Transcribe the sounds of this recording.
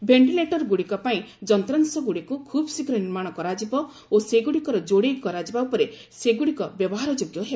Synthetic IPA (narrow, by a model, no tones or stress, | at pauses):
bʱeɳʈileʈɔɾɡuɽikɔpaĩd͡ʒɔnt̪ɾansɔɡuɽikukʰubɔsikɾɔniɾmaɽ̃ɔkɔɾad͡ʒibɔ | oseɡuɽikɔɾɔd͡ʒoɽejkɔɾad͡ʒibaupɔɾe | seɡuɽikɔbjɔbɔɦaɾɔd͡ʒoɡjɔɦebɔ